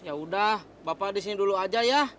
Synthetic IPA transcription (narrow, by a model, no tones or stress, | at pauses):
jaudah | bapadis̬iniduluad͡ʒaja